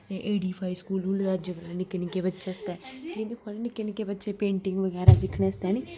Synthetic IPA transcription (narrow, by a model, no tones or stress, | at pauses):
t̪eʔeːɖiːpʰaːiskuːlũːləɡad͡ʒəɡnɪkːenɪkeːbətːʃeːst̪ɛːĩnd̪ikʰonnɪkːenɪkeːbətːʃeːpẽːɳʈɪŋɡʋəɡɛːɾaːd̪ɪkʰneːəst̪ɛːni